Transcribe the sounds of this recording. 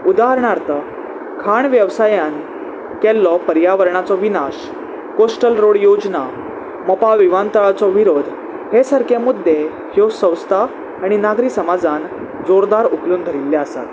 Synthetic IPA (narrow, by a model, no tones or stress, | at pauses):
ud̪aɦəɾɳaɾt̪ə | kʰaɳʋjəʋsajan | kɛlːɔpəɾjaʋəɾɳat͡sɔʋinaɕ | kosʈəlɾoɽjod͡zna | mɔpaʋiʋant̪əɭt͡sɔʋiɾod̪ʱ | hesəɾkʰemud̪ʱːe | hjosə̃w̃st̪ʰaː | ɽ̃inaɡɾiːsəmad͡zan | d͡zoɾd̪aɾukluːnɡ̪ʱəɾilːjaəsa̰t̪